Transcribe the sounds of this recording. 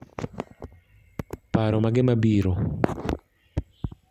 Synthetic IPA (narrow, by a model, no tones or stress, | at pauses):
paɾɔmaɡɪmabiɾɔ